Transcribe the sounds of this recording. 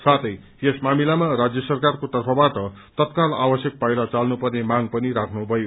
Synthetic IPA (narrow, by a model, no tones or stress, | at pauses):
sat̪ʰʌj | esmamilamarad͡zjʌsʌrkarkot̪ʌrpʰʌbaʈʌ | t̪ʌt̪kala̰bʌsjʌk̚pajɾʌt͡salnupʌrnemaŋpʌniɾakʰnubʱʌjo